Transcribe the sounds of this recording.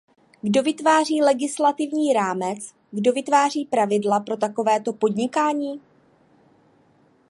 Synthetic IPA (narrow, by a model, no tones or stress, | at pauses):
ɡdo̞vɪt̪vaːr̝iːlɛɡɪslat̪ɪvɲiːɾaːmɛt͡s | ɡdo̞vɪt̪vaːr̝iːpɾavɪdlapɾo̞t̪ako̞vɛːt̪o̞po̞dɲɪkaːɲiː